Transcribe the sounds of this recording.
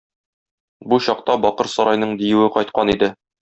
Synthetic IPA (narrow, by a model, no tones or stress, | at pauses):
buɕɒq̚t̪ɑbɒqɤɾsɒɾɑjnɤɴd̪ijɘwɘqɒjt̪̚qɑnid̪ɘ